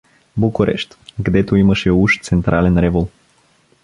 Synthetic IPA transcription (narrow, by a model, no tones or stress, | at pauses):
bukoɾɛ̰ʃt̪ɡd̪ɛt̪oimɐʃɛuʃt̪sɛnt̪ɾʔalɛnɾɛvolˠ